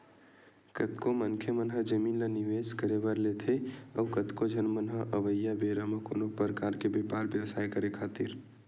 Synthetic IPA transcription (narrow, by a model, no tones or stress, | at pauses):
kət̪komənkʰemənɦəd͡ʒəminləniʋeskəɾebəɾlet̪ʰeəwkət̪kod͡ʒʱənmənɦəʔəʋəjːabeɾəmeko̰ːnopɾəkaɾkebepaɾbjəwsajkəɾekʰat̪iɾ